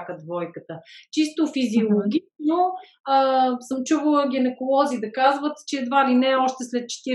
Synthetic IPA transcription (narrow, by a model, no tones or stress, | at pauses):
kəd̪vɔjkət̪ət͡ʃist̪ofiziolˠoɡʲit̪no | əsəmt͡ʃuvəlˠəɡʲɛnɛkolˠɔzid̪ɐkazvət̪t͡ʃɛːd̪valinɛɔʃt̪ɛslɛt̪̚t͡ʃɛ̥t̪iɾ